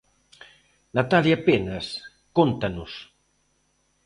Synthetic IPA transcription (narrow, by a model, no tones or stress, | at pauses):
nat̪aljapenɐs | kont̪ɐnʊs